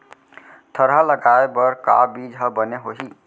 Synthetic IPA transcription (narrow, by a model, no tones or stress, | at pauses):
t̪ʰəɾɦələɡaebəɾka̰bid͡ʒɦəbəneɦoɦi